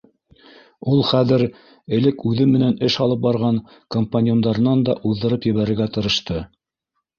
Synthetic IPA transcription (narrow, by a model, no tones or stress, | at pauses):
ulˠχæðɘɾ | ɘ̆lɘkʉðɘmɘ̆nænɘʃɑlˠɤp̚bɑɾʁɑŋ | kompanʲjond̪ɑɾɤ̆nɑnd̪ɑʔuðːɤ̆ɾɤpjɘ̆βæɾɘ̆ɾɡæt̪ɤ̆ɾɤ̆ʃt̪ɤ